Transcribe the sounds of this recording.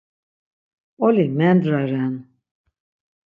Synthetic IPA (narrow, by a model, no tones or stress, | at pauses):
ɔlimɛnd̪ɾaɾɛn